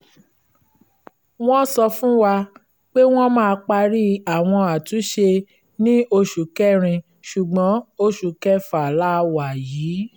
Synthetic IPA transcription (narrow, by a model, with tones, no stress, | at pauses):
w̃ɔ̃˦sɔ˧fũ˦wa˧ | k͡pe˦w̃ɔ̃˦mãː˦˧k͡pa˧ɾi˦a˨w̃ɔ̃˧a˨tũ˨˦ʃe˧ | nĩ˦o˧ʃu˨kɛ˦˨ɾ̃ĩ˧ | ʃu˨ɡ͡bɔ̃˨˦o˦ʃu˨kɛ˦fa˨la˦˧wa˨jiː˨˦